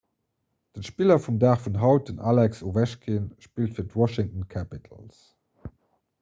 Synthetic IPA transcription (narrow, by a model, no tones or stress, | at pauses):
d̥ənʃpilɐfumdaːχfunɦɑʊt̚dənalɛksovæʃkʰinʃpiːltfiːɐtwɔʃɪŋtənkʰæpitʰə̰ls